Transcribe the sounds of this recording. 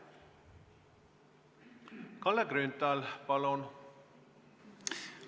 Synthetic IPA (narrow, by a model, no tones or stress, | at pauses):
kɑlːeɡɾynt̪ɑlpɑlon